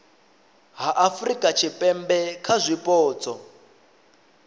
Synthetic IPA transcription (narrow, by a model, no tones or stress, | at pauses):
ɦaʔafrikʼat͡ʃʰipʼɛmbɛkʰazʷipʼɔːt͡sʼɔ